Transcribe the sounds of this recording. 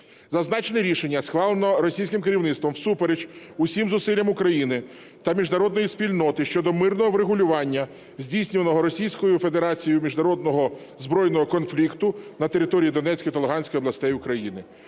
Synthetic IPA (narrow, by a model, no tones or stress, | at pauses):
zɐznɑt͡ʃenɪɾʲiʃenʲːɐsxʋɑlˠenɔɾɔsʲijsʲkɪmkeɾʲiwnɪt̪t̪ʋɔmwsupeɾed͡ʒʊsʲimzʊsɪlʲːɐmʊkɾɐjinɪ | t̪ɐmʲiʒnɐɾɔd̪nɔjispʲilʲnɔt̪ɪʃt͡ʃɔd̪ɔmɪrnɔɦɔʋɾeɦʊlʲʊʋɑnʲːɐ | zʲdʲijsʲnʲʊʋɐnɔɦɔɾɔsʲijsʲkɔjʊfed̪eɾɑt͡sʲijʊmʲiʒnɐɾɔd̪̚nɔɦɔ | zbɾɔjnɔɦɔkɔnflʲikt̪ʊnɐt̪e̞ɾɪt̪ɔɾʲijid̪ɔnɛt͡sʲkɔjt̪ɐlˠeɦɑnʲsʲkɔjɔblˠɐsʲt̪ɛjʊkɾɐjinɪ